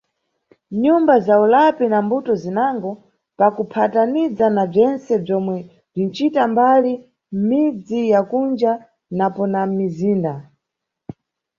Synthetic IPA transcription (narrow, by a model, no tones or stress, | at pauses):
ɲumbazaulapinambutɔzinaŋɡɔ | pakupʰatanid͡zanab͡ʐɛnt͡sɛb͡ʐɔmwɛ | b͡ʐin̩t͡ʃitambali | m̩mid͡zijakund͡ʒa | napɔnamiziːnda